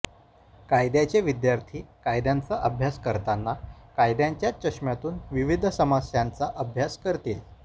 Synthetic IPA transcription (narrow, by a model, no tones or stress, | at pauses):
kajd̪jat͡ɕeʋid̪jaɾt̪ʰiːkajd̪jant͡saʔəbʱjaskəɾt̪anːakajd̪jaɲt͡ɕjat͡ɕəʂmjat̪uːnʋiʋid̪ʱsəmasjant͡saʔəbʱjaskəɾt̪il